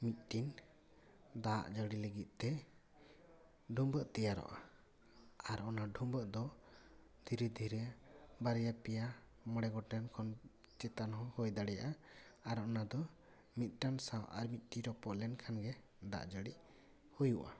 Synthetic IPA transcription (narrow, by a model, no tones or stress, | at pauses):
mit̪̚ʈin | d̪aʔd͡ʒəɽiləɡit̪̚t̪ɛ | ɖʱumbəʔt̪ɛjaɾɔ̰ʔa̰ | aɾɔnaɖʱumbəʔd̪ɔ | d̪ʱiɾɛd̪ʱiɾɛabaɾjapɛja | mɔɽɛɡɔʈɛnkʰɔn | t͡ʃɛt̪anɦɔ̃hojd̪aɽɛja̰ʔaaɾɔnad̪ɔ | mit̪̚ˀʈansawʔa̰ɾmit̪̚ˀʈiɾɔpɔʔlɛnkʰanɡɛ | d̪a̰ʔd͡ʒəɽi | hujuʔa̰